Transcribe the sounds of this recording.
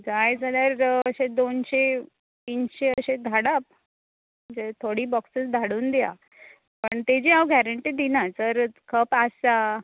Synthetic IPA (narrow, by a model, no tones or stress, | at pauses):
d͡zajd͡zəd̪əɾəɕed̪onɕe | t̪iːnɕeəɕed̪ʱaɽap̚ | d͡zet̪ʰoɽiːbɔksəsd̪ʱaɽuːnd̪eja̰ | pəɳt̪ed͡ʑiawɡʱæɾəɳʈiːd̪inat͡səɾkʰəpasa